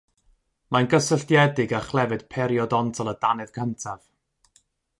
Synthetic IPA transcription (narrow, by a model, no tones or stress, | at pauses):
manɡəsəɬtjɛdɪɡaχlˠɛvɨd̥pʰɛɾjɔdɔntʰɔlˠədanɨðɡʰəntʰav̥